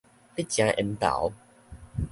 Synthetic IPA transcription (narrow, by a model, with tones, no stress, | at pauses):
pi˦t̚t͡ɕjã˧˦ʔə˧nt̪a̰˨˦w